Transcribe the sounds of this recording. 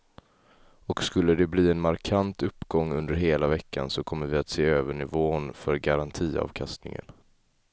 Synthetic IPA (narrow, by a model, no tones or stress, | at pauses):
ɔkskɵlːəd̪ɛbliːɛnmaɾkʰant̪ɵpːɡɔŋːɵnd̪əɾɦeːlavɛkːa̰nsɔkʰɔmːəɾvɪat̪seːøːvəɳɪvoːnfœɾɡaɾant̪ʰiːɑ̰ːvkʰast̪nɪ̰ŋə̰n